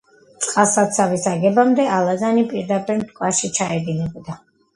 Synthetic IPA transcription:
t̪sʼqʼasat̪sʰavisaɡɛbamd̪ɛalˠadanipʼiɾd̪apʼiɾmt̪ʰkʼwaʃit͡ʃʰaɛd̪inɛbd̪a

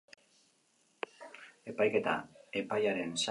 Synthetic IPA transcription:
e̞pajke̞t̪a̰e̞pajaɾe̞ns

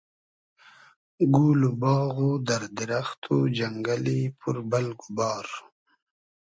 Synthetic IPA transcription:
ɡuːlubɑːɣud̪aɾd̪ɪɾaxt̪ʰud͡ʒaŋɡalipʰuɾbalɡubɑːɾ

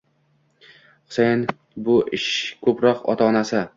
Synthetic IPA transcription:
χʊ̥sejn | bʊʔɪʃkʰɵpɾɒqɒ̰t̪ʰaːnasɪ

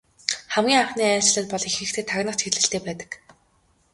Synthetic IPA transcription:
χæmɡʲiːŋarχniːæːt͡ɕɪ̆ɮə̆t̪̚pɔɮixɘ̆kt̪ʰeːt̪ʰaɣnə̆χt͡ɕxeɮɘ̆ɬt̪eːpæːt̪ə̥̆k

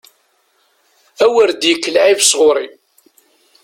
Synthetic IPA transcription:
æwəɾd̪jəkːəlʕivsʁʊɾˤi

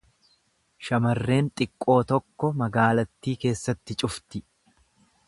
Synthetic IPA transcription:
ʃɐmɐrːe̞ːnt̪ʼɪkʼːo̞ːt̪ɔkːɔmɐɡaːlɐt̪ːiːke̞ːsːɐt̪ːɪt͡ʃʼʊft̪ɪ

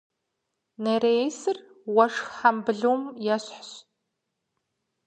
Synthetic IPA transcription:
neɾejsɨr | wɐʂxħambɨɮuwmjɛɕħɕ

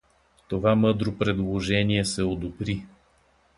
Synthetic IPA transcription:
t̪ovamɤd̪ɾopɾɛd̪lˠoʒɛniɛsɛod̪obɾi

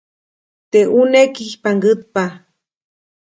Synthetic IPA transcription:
t̪eʔunekihpaŋɡɨt̪̚pa

